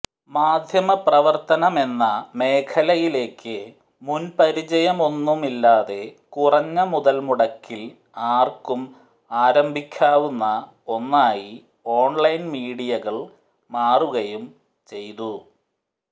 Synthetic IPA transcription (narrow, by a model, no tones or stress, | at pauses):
maːd̪ʱjɐmɐprɐʋɐrt̪ɐnɐme̞nːɐme̞ːkʰɐlɐjile̞ːkʰːɨ | munpɐɾit͡ɕɐjɐmo̞nːumilːaːðe̞kurɐɲːɐmuðɐlmuɽɐkːil | aːrkːum | aːɾɐmbʱikʲːaːʋunːɐ | o̞nːaːji | o̞ːɳlɐjnmiːɽijɐɣɐɭ | maːruɣɐjum | t͡ɕe̞jt̪u